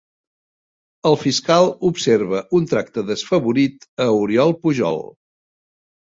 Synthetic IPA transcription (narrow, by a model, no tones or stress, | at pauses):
əlˠfiskalˠupseɾβəʔunt̪ɾak̚t̪əðəsfəβuɾit̪əuɾjɔlˠpuʒɔ̰lˠ